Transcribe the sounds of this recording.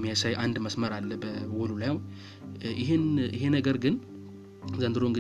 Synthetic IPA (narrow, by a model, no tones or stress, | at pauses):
mːijasajʔand̪məsməɾalːəbəwɔlulajaw | ʔɪɦenɪɦenəɡəɾɡɨn | zənd̪ɨɾo̞ɨŋɡɨ